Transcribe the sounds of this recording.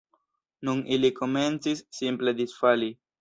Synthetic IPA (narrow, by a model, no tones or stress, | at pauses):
nuniliko̞me̞nt͡sisːimple̞d̪isfali